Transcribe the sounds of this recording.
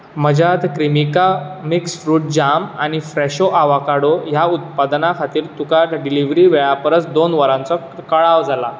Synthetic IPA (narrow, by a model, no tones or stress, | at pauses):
məd͡ʑat̪kɾimikamiksʈɾuːʈ̚d͡ʑamañifɾɛɕoʔaʋakaɽojaut̪̚pad̪nakʰat̪iːɾt̪ukat̪ɖiliʋɾiːʋeɭapəɾət͡sd̪onʋəɾãnt͡sɔ | kəɭaʋd͡zʱala